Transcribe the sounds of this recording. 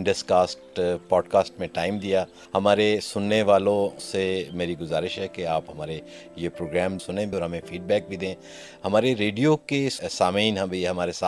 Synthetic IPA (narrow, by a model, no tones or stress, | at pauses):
ɪɳɖəskaːsʈpɔːɖkaːsʈmẽʈaːɪmd̪ijaː | hɐmaːɾesʊnːeʋaːlõsemeːɾiɡʊzaːɾɪʃɦɛkeaːpɦɐmaːɾe | jepɾoːɡɾɛːmsʊnẽbʱiɔːɾɦɐmẽfiːɖ̚bɛːk̚bʱid̪ẽː | hɐmaːɾeɾeːɖijokesaːmiːnɦɐbʱiɦɐmaːɾesaː